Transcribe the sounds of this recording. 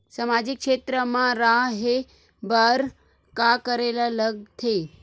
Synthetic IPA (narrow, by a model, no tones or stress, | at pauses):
samad͡ʑikʂet̪ɾəmãɾaɦe | baɾ | kakəɾelaləɡ̚t̪ʰe